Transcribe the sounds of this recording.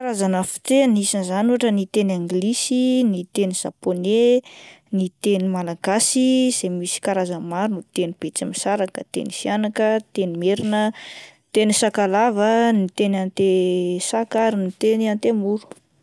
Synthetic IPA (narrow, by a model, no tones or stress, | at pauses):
kaɾazanəfi̥t̪enisinzanuaʈ͡ʂənit̪enaŋɡlisinit̪eniz̥a̰pone | nit̪enimalaɡasiz̥emisi̥kaɾazəmaɾunut̪enib̥et͡simisaɾakət̪ḛnifianakət̪enimeɾinə | t̪enisakalavənit̪enant̪esakaɾinit̪eniant̪emuɾu̥